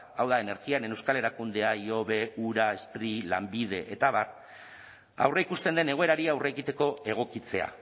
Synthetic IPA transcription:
awðae̞ne̞ɾɣianenewskale̞ɾakund̪e̞aio̞βe̞uɾae̞spɾila̰mbið̞e̞ʔet̪aβar | a̰wreikust̪e̞nd̪e̞ne̞ɣ̞o̞e̞ɾaɾiawre̞ːɣit̪e̞ko̞e̞ɣ̞o̞kit͡se̞a̰

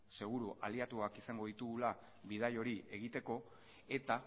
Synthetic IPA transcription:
se̞ɣ̞uɾuʔaliat̪uakisaŋɡo̞ðit̪uɣula | βið̞ajo̞ɾie̞ɣ̞it̪e̞ko̞ | e̞t̪a

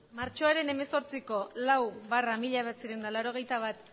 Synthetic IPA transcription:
maɾt͡ʃo̞aɾe̞ne̞me̞so̞ɾt͡siko̞lawβaramiʎaβat͡siɾewnd̪alaɾo̞ɣ̞e̞jt̪aβ̞at̪

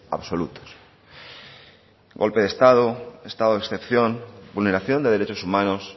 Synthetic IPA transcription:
a̰βsolut̪o̥s | ɡo̰lpe̞ð̞e̞st̪að̞oest̪aðoeksθepθjonbulne̞ɾaθjo̞nd̪e̞ð̞e̞ɾet͡ʃosumãnos

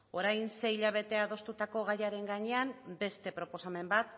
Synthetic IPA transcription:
o̞ɾajnse̞iʎaβ̞e̞t̪e̞aðo̞st̪ut̪ako̞ɣ̞ajaɾe̞ŋɡaɲe̞ambe̞st̪e̞pɾo̞po̞same̞mbat̪

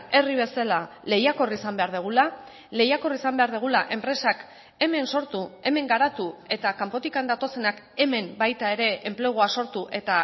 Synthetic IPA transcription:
e̞riβ̞e̞salale̞jako̞risambe̞aɾðeɣ̞ula | le̞jako̞risambe̞aɾðeɣ̞ulaʔe̞mpɾe̞sak | e̞me̞nso̞ɾt̪ue̞me̞ŋɡaɾat̪ue̞t̪akampo̞t̪ikand̪at̪o̞se̞nak | e̞me̞mbajt̪ae̞ɾe̞eːmple̞ɣ̞oaso̞ɾt̪uʔe̞t̪a

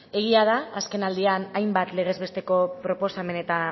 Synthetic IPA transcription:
e̞ɣ̞iað̞aːske̞nald̪ianajmbat̪le̞ɣ̞e̞zβe̞st̪e̞ko̞pɾo̞po̞same̞ne̞t̪a

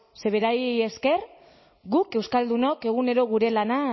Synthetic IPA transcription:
se̞β̞e̞ɾaje̞ske̞r | ɡuke̞wskald̪uno̞ke̞ɣ̞une̞ɾo̞ɣ̞uɾe̞lana

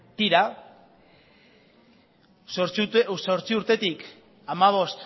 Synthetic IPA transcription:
t̪iɾa | so̞ɾt͡siuɾt̪e̞t̪ik | amaβ̞o̞st̪

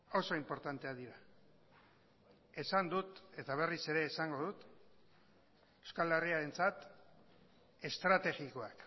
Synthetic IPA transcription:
o̞so̞impo̞ɾt̪ant̪e̞aðiɾa | e̞sand̪ut̪e̞t̪aβ̞e̞rise̞ɾe̞ːsaŋɡo̞ðut̪ | ewskaleriaɾe̞nt͡sat̪ | e̞st̪ɾat̪e̞ɣiko̞ak

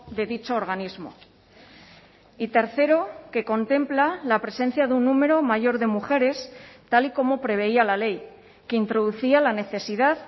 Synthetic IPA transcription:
ðe̞ðit͡ʃo̞ːɾɣanizmo̞̰ | it̪e̞ɾθe̞ɾo̞ke̞ko̞nt̪e̞mplalapɾe̞se̞nθjaðunːume̞ɾo̞maʝo̞ɾðe̞muxe̞ɾe̞st̪aliko̞mo̞pɾe̞β̞e̞ialale̞j | keint̪ɾo̞ðuθialane̞θe̞sið̞að

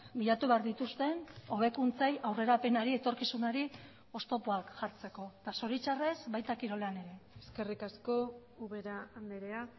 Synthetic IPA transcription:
miʎat̪uβeaɾðit̪ust̪e̞no̞β̞e̞kunt͡sajʔawre̞ɾape̞naɾie̞t̪o̞ɾkisunaɾi | o̞st̪o̞poakʝaɾt͡se̞ko̞t̪aso̞ɾit͡ʃare̞zbajt̪akiɾo̞lane̞ɾe̞eske̞rikasko̞ | uβeɾaːnd̪eɾea

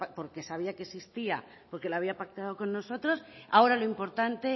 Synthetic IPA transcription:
po̞ɾke̞saβ̞iake̞sist̪ia | po̞ɾke̞laβiapak̚t̪aðoko̞nːo̞so̞t̪ɾo̞sao̞ɾaloimpo̞ɾt̪ant̪e̞

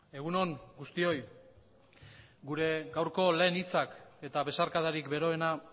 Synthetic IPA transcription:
e̞ɣ̞uno̞ŋɡust̪io̞j | ɡuɾe̞ɡawɾko̞le̞ːnit͡sake̞t̪aβe̞saɾkaðaɾikbe̞ɾo̞e̞na

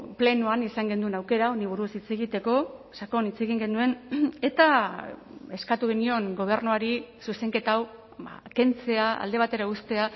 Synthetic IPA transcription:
ple̞nuanisaŋɡe̞nd̪uenawke̞ɾao̞niβ̞uɾusit͡se̞ɣit̪e̞ko̞sako̞nit͡se̞ɣ̞iŋɡe̞nd̪ue̞ne̞t̪a | e̞skat̪uɣenio̞ŋɡo̞β̞e̞ɾnuaɾisuse̞ŋke̞t̪aw | ba̰ke̞nt͡se̞aa̰ld̪e̞β̞at̪e̞ɾaust̪e̞a

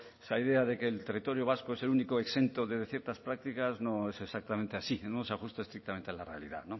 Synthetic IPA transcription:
saiðeaðekeːlt̪erit̪o̞ɾjoβ̞askoeselunikoekse̞nt̪oðezðeθjeɾt̪aspɾak̚t̪ikaznõ̞esesak̚t̪amẽ̞nt̪easinoseaxust̪aest̪ɾikt̪amẽnt̪elarealḭða̰ðno

